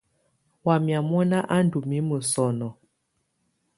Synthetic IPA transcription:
wa˨mja˨mɔ˦na˦ʔa˦n˦du˨mi˦mə˨sɔ˨nɔ˨

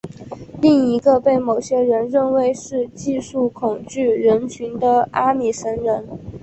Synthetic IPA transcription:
li˥˩ŋi˧˥ɡə˧pe˥˩ɪmo˨˩ʊɕjɛ˥ɻə˧˥nɻə˥˧nwe˧˥ɪʂɻ̩˥˧t͡ɕi˥˧ʂu˥˩kʰʊ˨˩ŋt͡ɕy˥˩ɻə˧˥nt͡ɕʰy˧˥nd̪ə˧a˥mi˨˩ʂə˧˥nɻə˧˥n

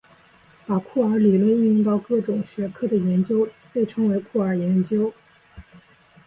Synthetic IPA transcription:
pa˨˩kʰu˥˩ə˞˧˥li˨˩lwə˥˧ny˥˧i˥ŋt̪ɑ˥˧ʊkɤ˥˩ʈ͡ʂʊ˨˩ŋɕɥɛ˧˥kʰɤ˥˩d̪ə˩jɛ˧˥nt͡ɕjo˥ʊpe˥˩ɪʈ͡ʂʰɤ˥ŋwe˧˥ɪkʰu˥˩ə˞˨˩jɛ˧˥nt͡ɕjo˥ʊ

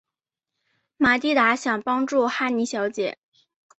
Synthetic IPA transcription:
ma˨˩t̪i˥˩t̪a˧˥ɕjɑ˨˩ŋpɑ˥ŋʈ͡ʂu˥˧xa˥˩ni˧˥ɕjɑ˧˥ʊt͡ɕjɛ˨˩˦

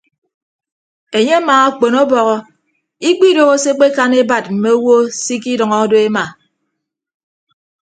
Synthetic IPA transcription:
e˨ɲe˦a˦maː˨a˦k͡po˨nɔ˦bɔ˨ɣɔ˦ | i˦k͡pi˦do˦ɣo˦se˦k͡pe˦ka˦ne˦ba˨t̚m̩˨me˦o˦wo˦si˦k̬i˦dʌ˨ŋɔ˦do˦e˦ma˨

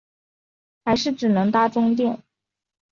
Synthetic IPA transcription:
xa˧˥ɪʂɻ̩˥˩ʈ͡ʂɻ̩˨˩nɤ˧˥ŋt̪a˥ʈ͡ʂʊ˥ŋt̪jɛ˥˩n

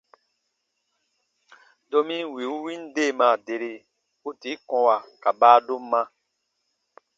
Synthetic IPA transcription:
dɔ˧mĩ˦wi˨u˦wĩ˦n˦de˦˨mã˨de˨ɾe˧ | u˦ti˨˦kɔ̃˧wa˨ka˨baː˦do˦mːã˦

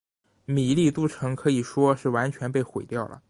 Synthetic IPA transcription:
mi˨˩li˥˧t̪u˥˩ʈ͡ʂʰɤ˧˥ŋkʰɤ˧˥i˨˩ʂwɔ˥ʂɻ̩˥˩wa˧˥nt͡ɕʰɥɛ˧˥npe˥˩ɪxwe˨˩ɪt̪jɑ˥˩ʊlə̰˩

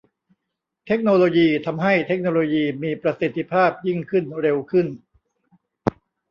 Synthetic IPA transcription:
t̪ʰe˦˥k̚noː˧loː˧jiː˧t̪ʰa˧mɦa˥˩jt̪ʰe˦˥k̚noː˧loː˧jiː˧miː˧pɾa˧si˨˩t̪ʰːi˧pʰaː˥˩p̚ji˥˩ŋkʰɯ˥˩nɾe˧wkʰɯ˥˩n

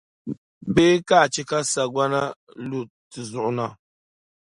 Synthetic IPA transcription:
be˦ka˦˨t͡ʃi˦ka˦sa˨ɡwa˦na˦ | lu˨ | ti˨zu˨ʔna˨

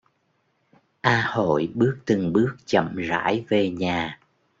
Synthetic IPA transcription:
ʔaː˧ho̰˧˨jɓɨ˦˥ək̚t̪ɨ˨˩ŋɓɨ˦˥ək̚t͡ɕə̰˧˨mza̰ː˧˥jve˨˩ɲaː˨˩

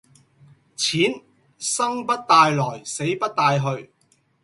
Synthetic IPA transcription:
t͡sʰiː˨˥n | sɐ˥ŋpɐ˥t̚t̪aː˧jlɔː˨˩jse˨˥jpɐ˥t̚t̪aː˧jɦɵ˧ɥ

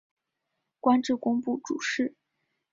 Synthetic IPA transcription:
kwa˥nʈ͡ʂɻ̩˥˩kʊ˥ŋpu˥˩ʈ͡ʂṵ˨˩ʂɻ̩˥˩

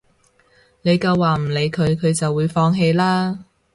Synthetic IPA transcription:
ne˨˧jkɐ˧wːaː˨m̩˨˩le˨˧jkʰɵ˨˧ɥkʰɵ˨˧ɥt͡sɐ˨wːuː˨˧jfɔː˧ŋɦe˧jlaː˥

